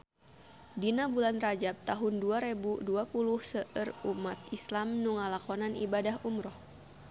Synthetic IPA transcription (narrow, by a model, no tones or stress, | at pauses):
dinabulanrad͡ʒab̚t̪aɦunduaɾɛbuduapuluhsəʔərumat̪̚islamnuŋalakɔnanḭbadahumɾɔh